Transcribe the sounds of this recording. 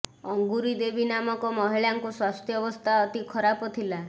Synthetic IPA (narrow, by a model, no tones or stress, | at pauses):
ɔŋɡuɾid̪ebinamɔkɔmɔɦiɭaŋkuswast̪ʰjɔbɔst̪ʰaɔt̪ikʰɔɾapɔt̪ʰila